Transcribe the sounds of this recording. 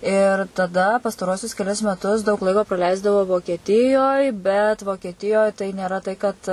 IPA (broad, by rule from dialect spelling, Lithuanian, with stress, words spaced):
ɪr tɐˈdɐ pɐstɐˈruɔsʲʊs kʲɛˈlʲɪs mʲɛˈtʊs dɐʊk ˈlˠɐɪkoː prɐˈlʲɛɪzdɐʋɐʊ ʋoːkʲiɛˈtʲɪjoːj bʲɛt ʋoːkʲiɛˈtʲɪjoːj tɐɪ nʲeːˈrɐ tɐɪ kɐt